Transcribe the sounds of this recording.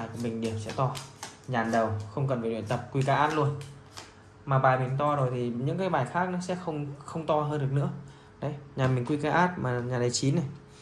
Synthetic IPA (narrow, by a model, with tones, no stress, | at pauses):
a˨˩jku˧˩əmï˨˩ŋ̟ɗi˧˩əmsɛ̰˧˥t̪ɔ˧ɲaː˨˩nɗə˨˩wxə˧wŋ͡mkə˨˩nva˨˩lw̰nt̪ə˨˩p̚kwi˧kaː˨˦ʔaː˦˥t̚lu˧ən | maː˨˩ɓaː˨˩mi˨˩nt̪ɔ˧zo˨˩jt̪ʰi˨˩ɲɨ̰˧˥ŋkaː˨˦jɓaː˨˩jxaː˦˥k̚nɔ˨˦sɛ̰˧˥xə˧wŋ͡mxə˧wŋ͡mt̪ɔ˧ɦəː˧ndɨ˨˩ək̚nɨ̰˧˥ə | ɗə˨˦jɲaː˨˩mï˨˩ŋ̟kwi˧kaː˨˧˦ʔaː˦˥t̚maː˨˩ɲaː˨˩t̪ʰa˨˦t͡ɕi˨˦nːa˨˩j